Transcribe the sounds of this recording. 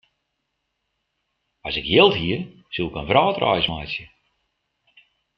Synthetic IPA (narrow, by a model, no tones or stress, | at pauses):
ɔsɪkjɪlˠtɦiər | sulˠɪkənfrɔːtrɔ̰jsmajsjə